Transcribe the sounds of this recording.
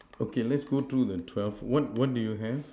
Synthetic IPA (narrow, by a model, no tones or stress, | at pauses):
okelɛtsɡ̥ot̪ɹuðətʰwɛlfwɔt̚wɔt̚dujuɦɛv